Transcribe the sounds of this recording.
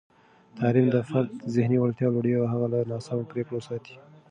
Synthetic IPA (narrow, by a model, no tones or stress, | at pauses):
t̪ʰɑlimd̪əfaɾd̪zɪhniwalt̪jɑloɽjawɦaɣalanɑsɑmopɾekɽosɑt̪i̥